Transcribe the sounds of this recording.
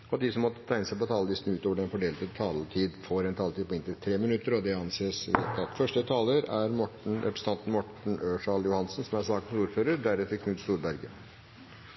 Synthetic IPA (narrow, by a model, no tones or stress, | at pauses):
ɔd̪ɪsɔmːɔt̪ːət̪ʰæɪnəsæɪpɔt̪ʰɑːləd̪ɪst̪n̩ʉːt̪oːʋəɖɛnfɔɖeːlt̪ət̪ʰɑːlət̪ʰiːd̪foːɾɛnt̪ʰɑːlt̪iːd̪̚pɔɪnt̪ət̪ʰɾeːmɪnʉt̪ːəɾɔd̪ɛɑnseːsʋḛːt̪ɑt̪fœʂʈət̪ʰɑːləɾæɾmɔʈɳ̩ɾɛ̰pɾəsə̥t̪ɑnt̪n̩mɔʈɳ̩øːʂɑljʊhɑnsnsɔmæɾʂɑːkənsuːɾføːɾəɾɖ̪æɾɛt̪ːəɾkʰnʉːd̪st̪uːɾbæɾɡə